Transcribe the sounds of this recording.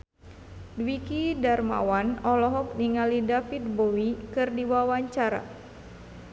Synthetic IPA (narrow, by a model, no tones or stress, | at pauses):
dwikidarma̰wanɔlɔɦɔk̚niŋalidafit̪̚bowikɨrdiwawaɲt͡ʃaɾa̰